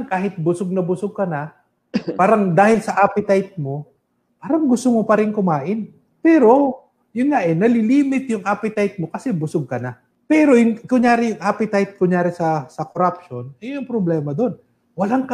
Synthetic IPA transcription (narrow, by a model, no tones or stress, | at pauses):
ŋkaːɦɪt̪̚bʊsoɡ̚nɐbʊsoɡ̚kɐna | paːɾɐŋd̪aːhɪlsɐʔapɪt̪ajt̪̚mo̞ | paːɾɐŋɡʊst̪omopɐɾɪŋkʊmaːʔɪn | pɛːɾo̞ | jʊnŋaʔɛnɐlɪliːmɪt̪jʊŋʔaːpɪt̪ajt̪̚mo̞kɐsɛbʊsoɡ̚kɐna | pɛːɾo̞jʊŋkʊŋjaːɾɪjʊŋʔaːpɪt̪ajt̪̚kʊnjaːɾɪsɐsɐkoɾap̚ʃo̞nɐjʊŋpɾoblɛːmɐd̪o̞n | wɐlaŋk